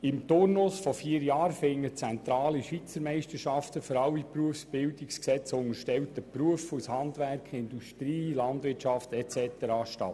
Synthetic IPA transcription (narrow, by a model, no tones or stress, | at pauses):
ɪmt̪ʊrnʊsfɔfiːəɾjɑːɾfɪŋːət͡sɛnt̪ɾɑːliʃʋit͡səɾmɛɪstəɾʃɑft̪əføɾɑlːipɾuəfsb̥ɪldɪksksɛt͡sʊŋəɾʃtɛwtəpɾuəfushɑnd̪ʋærkʰχɪnduʃtɾiːlɑndvɪtʃɑft̪ɛt͡sɛt̪əɾɑːʃtɑ̰t